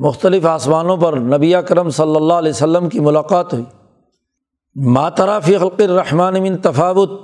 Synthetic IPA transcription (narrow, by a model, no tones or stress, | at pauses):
mʊxt̪əlɪfaːsmaːnõp̬ɐɾnɐbiakɐɾəmsɐlːəlːaːɦlɛːsɐlːəmkimʊlaːqaːt̪ɦʊiː | maːt̪ɐɾaːfiːxɐlqɪrːɐħmaːnmɪ̃nt̪ɐfaːʋʊt̪̚